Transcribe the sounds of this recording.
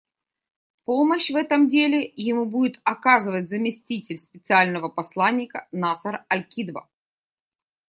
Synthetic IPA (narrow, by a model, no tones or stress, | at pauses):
poməɕvɛt̪əmdʲelʲɪjɪmubudʲɪt̪ɐkazɨvət̚ʲzəmʲɪsʲtʲitʲɪlʲspʲɪt̪sɨalʲnəvəpɐslˠanʲːɪkənasəɾɐlʲkʲid̪və̰